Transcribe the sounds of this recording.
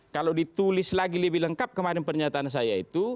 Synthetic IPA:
kalawdit̪ulɪslaɡiləbɪləŋkap̚kəmaɾɪnpərɲat̪aːns̬ajaḭt̪u

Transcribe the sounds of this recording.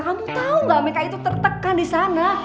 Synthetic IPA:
kamut̪auɡamekait̪ut̪ərt̪əkːandisana

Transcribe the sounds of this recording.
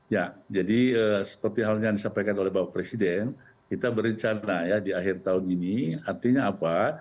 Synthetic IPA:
jad͡ʒadiəsə̥pərt̪iɦalɲajaŋdisampajkanolɛɦbawapɾesidɛn | kit̪abəɾəɲt͡ʃanajadiaɦɪrt̪aʊniniart̪iɲaːpa

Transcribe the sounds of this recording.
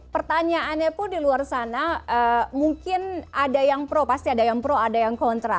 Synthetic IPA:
pərt̪aɲaanɲapʊndiluarsanaəmuŋkɪnadajaŋpɾopast̪iadajaŋpɾoadajaŋkɔnt̪ɾa

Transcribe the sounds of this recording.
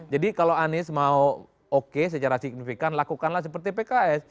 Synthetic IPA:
d͡ʒadikaloanɪsmau | okes̬ət͡ʃaɾasik̚nifikanlakukanlahs̬əpərt̪ipekaɛs

